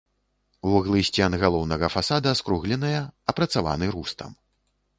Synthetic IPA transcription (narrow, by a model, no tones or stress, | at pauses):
uɣlˠɨsʲt͡sʲanɣalˠɔwnɐɣɐfasad̪ɐskɾuɣlʲɛnɐjɐɐpɾɐt̪sava̰nɨɾust̪ɐ̰m